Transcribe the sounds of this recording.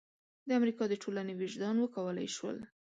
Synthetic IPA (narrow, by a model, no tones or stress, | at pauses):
d̪əamɾikɑd̪əʈʰolanewiʒd̪ɑnwəkawəla̰jʃwə̰l